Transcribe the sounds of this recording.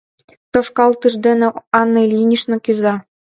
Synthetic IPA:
t̪oʃkɑlˠt̪ɯʃd̪enĕɑnːɤlʲinʲiʃnɤ̆kʲyzɑ

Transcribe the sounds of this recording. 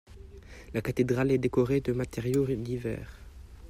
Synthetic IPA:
lakat̪ed̪ʁalɛd̪ekɔʁed̪əmat̪ɛʁjod̪ivɛ̰ːʁ

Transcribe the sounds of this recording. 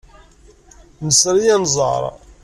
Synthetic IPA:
nəsɾijænzˤə̰ɾˤ

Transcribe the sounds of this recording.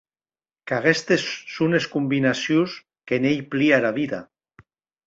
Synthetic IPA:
kaɣest̪esːuneskumbinasjus | kenejpliaɾaβiða

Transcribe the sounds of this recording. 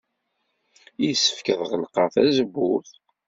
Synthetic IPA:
jisːə̥fkəðʁəlqɑθæzəbːuθ

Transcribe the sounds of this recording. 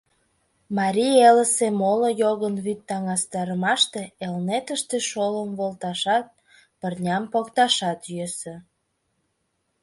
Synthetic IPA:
mɑɾʲijeləsemolojoɣənβyt̪ːɑŋɑst̪ɑɾəmɑʃt̪eelnet̪əʃt̪eʃoləmβolt̪ɑʃɑt̪̚ | pərnʲɑmpokt̪ɑʃɑt̪jøsĕ

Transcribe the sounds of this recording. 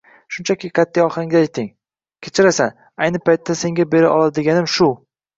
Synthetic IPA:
ʃʊnt͡ʃʰakʲiqʰat̪ʰːijɒχaŋɡ̪ʲajɪt̪ʰːɪŋ | kʲʰet͡ʃʰɪɾasan | ajnɪpʰajt̪ːase̞ŋɡʲabe̞ɾaʔɒ̰lˠad̪ɪɡʲanɪmʃʊ

